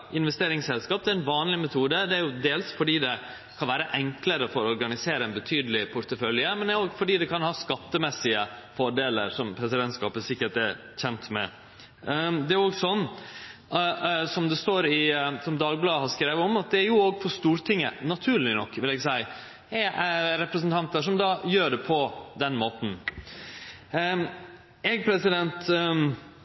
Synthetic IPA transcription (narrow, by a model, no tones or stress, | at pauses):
ɪnʋɛst̪eːɾɪŋsɛlskɑːp̚d̪ɛæɾɛnʋɑːnlɪmɛt̪ʰuːd̪əd̪ɛæɾjʊd̪eːlsfɔɖiːd̪ɛ | kʰɑnʋæːɾəʔɛŋkləɾəfɔɾɔɔɾɡɑnɪseːɾəɛnbət̪ʰyːd̪əlɪpʰʊɾt̪əfœljəmɛnd̪ɛɾoːɡfɔɖiːd̪ɛkʰɑnhɑːskɑt̪ːəmɛsɪəfɔɖeːlə̰ɾsɔmpʰɾɛsɪd̪ɛnt̪skɑ̰ːpəsɪkːəʈɛ | çɛnt̪mɛ̰ | d̪ɛæɾoːɡsɔnː | sɔmd̪ɛst̪oːɾɪsɔmd̪ɑːɡblɑːd̪əɦɑɾskɾeːʋəɔmɑt̪̚d̪ɛæɾjʊoːɡfɔʂt̪uːɾt̪ʰɪŋːənɑt̪ʰʉːɭɪnɔkːʋɪlɛːɡsæɪ | hɛʔæɾɛpɾəs̬nt̪ʰɑnt̪əʂɔmd̪ɑːjøːɖɛpʰɔd̪ɛnːmoːt̪n̩ | ɛɡ̚pʰɾɛsɪd̪ɛnt̪